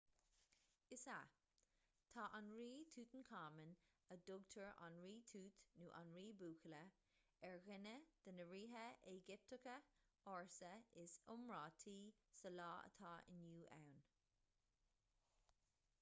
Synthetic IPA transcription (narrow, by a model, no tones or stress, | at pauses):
ɪsa̰ | t̪ʰɑːʔanɹiːt̪ʰuːt̪ənkʰɑːmənəd̪ʊɡt̪ʰəɹa̰nɹiːt̪ʰuːt̪nuːʔa̰nɹiːbuːkʰələ | ɛɹɣɪnəd̪̥ənəɹiːɦəeɡɪp̚t̪əkəɔɹsəɪsʊmɹɑːt̪ʰiːsəlɑːə̰t̪ʰɑːʔɪ̰njuːʔa̰wn